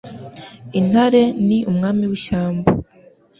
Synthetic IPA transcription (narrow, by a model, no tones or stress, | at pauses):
in̥haɾe̞niʔumŋaːmiwiʃaːmba